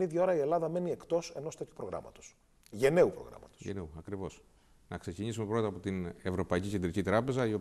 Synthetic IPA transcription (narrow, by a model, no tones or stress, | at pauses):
niðʝɐo̞ɾɐie̞lɐðɐme̞nie̞kt̪o̞se̞no̞st̪eçu̥pɾo̞ɣɾɐ̰mɐ̰t̪o̥s | ʝe̞ne̞upɾo̞̰ɣɾɐ̰mɐt̪o̥ʝḛneuɐkɾivo̞s | nɐkse̞ciɲisume̞pɾo̞t̪ɐpo̞t̪ine̞vɾo̞pɐicice̞nd̪ɾicit̪ɾɐpe̞zɐio̞